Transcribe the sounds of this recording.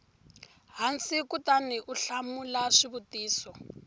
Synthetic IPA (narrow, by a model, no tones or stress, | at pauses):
ɦansikutaniʔuɬamulaʂiβutiːsɔ